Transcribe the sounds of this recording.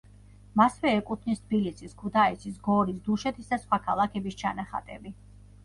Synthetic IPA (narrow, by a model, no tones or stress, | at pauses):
masvɛːkʼut̪ʰnist̪ʰbilisʰiskʰut̪ʰaɛsʰis̬ɡɔɾisd̪uʃɛt̪ʰisd̪asχwakʰalˠakʰɛbist͡ʃʰanaχa̰t̪ʼɛbi